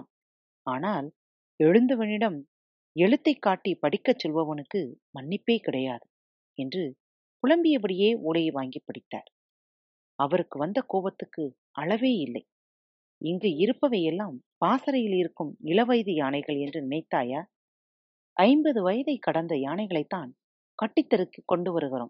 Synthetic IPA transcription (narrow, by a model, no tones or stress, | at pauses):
aːnaːl | ɛɻɯnd̪ɐʋɐnɪɽɐm | ɛɻɯt̪ːɐɪkːaːʈːipɐɽɪkːɐt͡ʃːɔlʋɐʋɐnɯkːɯmɐnːɪpːeːkɪɽɐjaːðɯ | ɛndrɯ | kʊɭɐmbɪjɐpːɐɽɪjeːuːɭɐjɐʋaːŋɡɪpːɐɽɪt̪ːa̰ːɾ | ɐʋɐɾɯkːɯʋɐnd̪ɐkoːbɐt̪ːɯkːɯ | ʔɐɭɐʋeːɪlːɐ̰ɪ | ɪŋɡɯɪɾɯpːɐʋɐjɛlːaːmpaːsɐɾɐjɪlɪɾɯkːɯmɪɭɐʋɐjðɯjaːnɐɪɣɐɭɛndrɯnɪnɐɪt̪ːaːjɐ | ʔɐɪmbɐðɯʋɐjɐðɐɪkːɐɽɐnd̪ɐjaːnɐɪɣɐɭɐɪt̪ːaːn | kɐʈːɪt̪ːɐɾɯkːikːɔɳɖɯʋɐɾɯɣɪro̰ːm